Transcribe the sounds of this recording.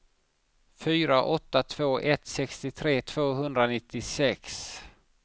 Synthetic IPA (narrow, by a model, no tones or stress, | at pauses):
fyːɾaʔɔt̪ːat̪ʰv̥oːʔɛt̪sɛkst̪ɪt̪ʰɾeːt̪ʰv̥oːɦɵnd̪ɾanɪt̪ːɪsɛks